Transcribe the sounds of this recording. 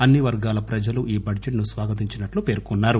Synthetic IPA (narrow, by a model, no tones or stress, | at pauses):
ɐnːiʋɐɾɡaːlɐpɾɐd͡ʒɐluʔiːbɐɖd͡ʒeʈnusʋaːɡɐt̪̬iɲt͡ʃinɐʈlupe̞ːɾkunːaːɾu